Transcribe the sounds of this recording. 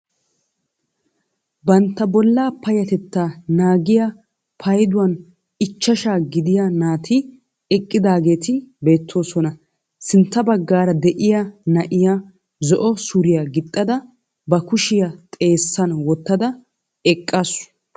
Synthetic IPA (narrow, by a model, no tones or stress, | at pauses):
bɐnt̪ːɐbɔlːaːpɐjɐt̪ɛt̪ːaːnaːɡɪja | pʰɐjd̪ʊwɐn | ɪt͡ʃːɐʃaːɡɪd̪ɪjanaːt̪ʰɪ | ɛkʼːɪd̪aːɡe̞ːt̪ɪbe̞ːt̪ʰːo̞ːsɔnɐ | sɪnt̪ːɐbɐɡːaːɾɐd̪ɛʔɪjanɐʔɪja | zɔʔɔsʊɾɪjaɡɪt̪ʼːɐd̪ɐ | bɐkʊʃɪjɐt̪ʼe̞ːsːɐnwɔt̪ːɐd̪ɐ | ɛkʼːasʊ̥